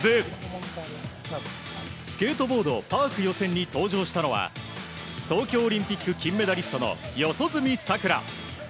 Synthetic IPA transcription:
ze | sɨ̥ke̞ːt̪o̞bo̞ːd̪o̞paːkɯ̟jo̞sẽ̞ɲ̟ːit̪o̞ːʑo̞ːɕi̥t̪ano̞βa̰ | t̪o̞ːkʲo̞ːɾʲĩmpʲikːɯ̟kʲĩmːe̞d̪aɾʲisɨ̥t̪ono̞̰jo̞so̞zɨmʲisakɯ̟ɾa̰

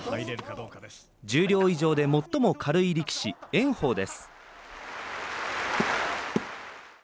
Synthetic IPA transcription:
d͡ʑɨːɾʲo̞ːiʑo̞ːd̪e̞mo̞t̪ːo̞mo̞kʰaɾɯ̟iɾʲikʲi̥ɕiẽ̞ɰ̃ho̞ːd̪e̞sɨ̥

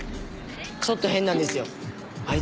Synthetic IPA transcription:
ksot̪ːoɦẽ̞nːãnd̪e̞sɨjo̞ | ai

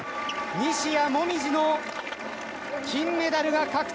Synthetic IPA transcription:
ɲiɕijamo̞mʲiʑino | kʲĩmːe̞d̪aɾɯɡakakɯ̥

